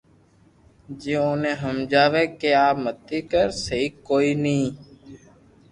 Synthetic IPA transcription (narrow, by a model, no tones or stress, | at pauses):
d͡ʒẽːoːnẽːɦəmd͡ʒaːʋeːkeːaːpmət̪iːkəɾsəɦiːkoːiːnĩː